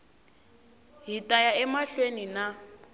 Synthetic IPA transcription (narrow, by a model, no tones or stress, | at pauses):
ɦitʼajaɛmaɬwenina